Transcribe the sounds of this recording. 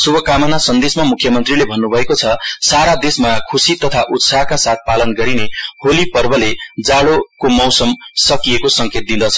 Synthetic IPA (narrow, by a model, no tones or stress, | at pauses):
subʱʌkamʌnasʌnd̪esmamukʰjʌmʌnt̪rilebʱʌnːubʱʌekot͡sʰʌsaɾad̪esmakʰusit̪ʌt̪ʰaʔut̪saɦkasat̪̚ʰpalʌnɡʌɾineholipʌrbʌled͡zaɽokomʌwsʌmsʌkijekosʌŋket̪̚d̪ind̪ʌt͡sʰʌ